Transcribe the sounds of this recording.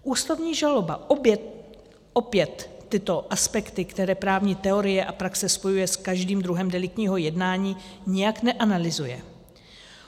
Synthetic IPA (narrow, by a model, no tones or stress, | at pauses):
ʔuːst̪ovɲiːʒalo̞ba̰bjɛ | ʔopjɛt̪ːɪt̪o̞ʔaspɛkt̪ɪkt̪ɛɾɛːpɾaːvɲit̪ɛo̞ɾɪjɛʔapɾaksɛspo̞jujɛskaʒdiːmd̪ɾuɦɛmdɛlɪk̚t̪ɲiːɦo̞jɛdnaːɲiːɲɛjaknɛʔanalɪzujɛ̰